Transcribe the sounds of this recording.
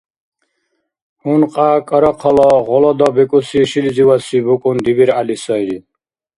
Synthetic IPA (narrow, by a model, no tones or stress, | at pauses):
hunqʼakʼəɾɔqʰɔlɔɣɔlɔd̪ɔbɛkʼusiʃilziwasibukʼund̪ibiɾalisɔjɾi